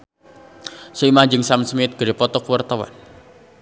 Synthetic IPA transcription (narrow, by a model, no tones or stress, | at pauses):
suimaɲd͡ʒəŋsamsmɪt̪̚ɡ̥əɾipɔt̪ɔkuwərt̪awa̰n